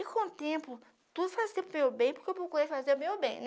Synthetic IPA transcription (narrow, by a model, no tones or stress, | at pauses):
ikõt̪ẽpʊ | t̪ud̪ʊfazt̪ẽpʊmewbẽj̃pʊ̥kewp̬ɾokuɾejfazeɾʊmewbḛ̃j̃n